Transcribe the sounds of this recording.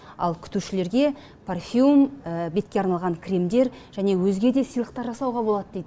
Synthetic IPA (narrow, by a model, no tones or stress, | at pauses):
ɑ̰lˠkʲʰʏ̥t̪uʃɪle̞ɾɡʲe̞ | pʰorfʲiuməbe̞t̪kʲe̞ɑɾnɑlˠʁɑŋkʲʰrʲimd̪e̞ɾʒ̥æne̞wɵzɡʲe̞d̪e̞səjlˠəq̚t̪ɑɾʒɑsɑwʁɑbo̞lˠɑd̪əd̪ed̪